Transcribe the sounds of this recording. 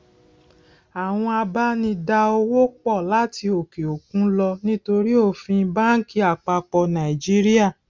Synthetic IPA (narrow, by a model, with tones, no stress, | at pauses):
a˨w̃ɔ̃˧a˧ba˦nĩ˧da˧o˧wo˦k͡pɔ˦˨la˦ti˧o˨ke˨o˨k̚ũ˨˦lɔ˧nĩ˦to˧ɾi˦o˦˨fĩ˧ba˦n̩˦ki˦a˨k͡pa˧k͡pɔ˧nã˨i˨d͡ʒi˦ɾi˦a˦˨